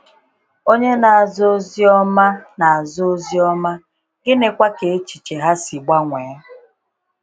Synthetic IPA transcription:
o˦ɲe˦na˨a˨zo˦zi˦ɔ˦ma˦na˨a˨zo˦zi˦ɔ˦ma˦ | ɡɪ˦ne˨kʷa˦ke˨e˦t͡ʃi̥˨t͡ʃe˨ɦa˦si˨ɡ͡ba˦ŋʷe˨˦

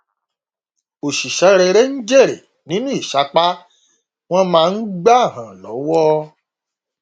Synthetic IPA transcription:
o˨ʃi˨ʃɛ˨˦ɾɛ˧ɾe˦n̩˦d͡ʒe˦˨ɾḛ˨ | nĩ˨˦nũ˦i˦˨ʃa˨˦k͡pa˦ | w̃ɔ̃˦mãː˦˧n̩˦ɡ͡ba˦˨ɦã˨lɔ˨˦wɔ˦

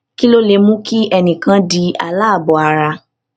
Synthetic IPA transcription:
ki˦lo˦le˨˧mũ˦ki˦ɛ˧nĩ˨kã˧˦di˧˦a̰˧la˦a˦˨bɔ˨˦a˨ɾa˧

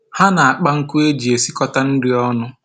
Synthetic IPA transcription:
ha˦na˨a˨k͡pa˦ŋ̩˦ku˦e˦d͡ʒi˨e˨si˦kɔ˦ta˦n̩˦dɪ˦ɔ˦nʊ˦

